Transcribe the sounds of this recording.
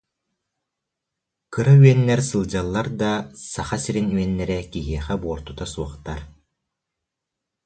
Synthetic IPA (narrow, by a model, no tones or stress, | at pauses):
kɯɾayɛnːɛɾsɯlˠd͡ʑalˠːaɾd̪asaχasiɾinyɛnːɛɾɛkiɦiɛχɛbuɔɾt̪ut̪asuɔχt̪aɾ